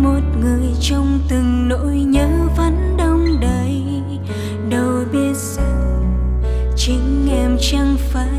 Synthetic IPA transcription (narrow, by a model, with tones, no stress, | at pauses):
mo˨˩t̚ŋɨ˨˩əjt͡ɕɔ˧wŋ͡mt̪ɨ˨˩ŋno̰˧˥jɲəː˧˦və˨˦nɗə˧wŋ͡mɗə˧˩j | ɗə˨˩wɓi˧ət̚z̥ə˧˨ | t͡ɕï˨˦ŋ̟ʔɛ˧mt͡ɕa˧ŋfaː˧˦